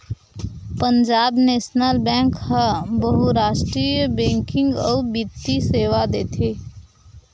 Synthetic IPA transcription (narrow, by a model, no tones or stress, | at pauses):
pənd͡ʒaːbnesnəlbɛ̃ŋkhə̃bəɦuɾaʃʈɾijbẽŋkɪ̃ŋɡɔbit̪ːiseːʋad̪et̪ʰe